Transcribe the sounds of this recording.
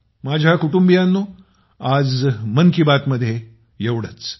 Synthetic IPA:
mad͡ʑʱjakuʈumbijanːoː | ad͡zmənkibat̪məd̪ʱːje | jeʋɽ̤ət͡s

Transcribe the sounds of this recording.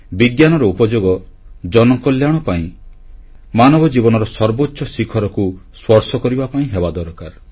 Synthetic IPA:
biɡjanɔɾɔupɔd͡ʒoɡɔd͡ʒɔnɔkɔljaɽ̃ɔpaĩ | manɔbɔd͡ʒibɔnɔɾɔsɔɾbotːʃɔsikʰɔɾɔkuswɔɾsɔkɔɾibapaĩɦebad̪ɔɾkaɾ

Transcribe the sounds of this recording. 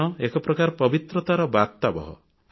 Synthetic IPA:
ɔekɔpɾɔkaɾpɔbit̪ɾɔt̪aɾɔbat̪abɔɦɔ̰

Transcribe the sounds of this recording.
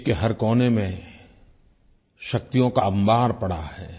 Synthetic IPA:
keɦɐɾkɔːnemẽ | ʃɐk̚t̪ijõkambaːɾpɐɽahɛː

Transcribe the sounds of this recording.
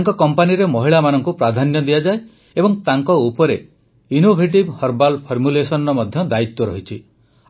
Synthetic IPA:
ŋkɔkɔmpaniɾemɔɦiɭamanɔŋkupɾad̪ʱanjɔd̪ijad͡ʒae | ebɔŋt̪aŋkɔupɔɾe | inobʱeʈ̬ibhɔɾbalpʰɔɾmulesɔnɔmɔd̪ʱjɔd̪ait̪ːɔɾɔ̰ɦit͡ʃʰi

